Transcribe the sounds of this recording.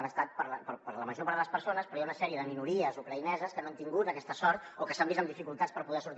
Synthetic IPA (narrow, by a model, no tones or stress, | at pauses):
nəst̪at̪̚pəɾləpəɾpəɾləməʒopəɾələspəɾsonəspɾɔjaunəsɛɾiəðəminuɾiəzukɾəinɛzəskənant̪iŋɡut̪əkɛst̪əsɔɾt̪okəsambizəmd̪ifikulˠt̪at͡spəɾpuðɛsuɾt̪